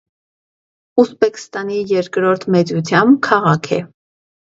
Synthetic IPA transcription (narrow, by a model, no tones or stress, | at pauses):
usbɛkst̪ɑnijɛɾkɾɔɾt̪ʰmɛt͡sut͡sʰjɑmbkʰɑʁɑkʰɛ̰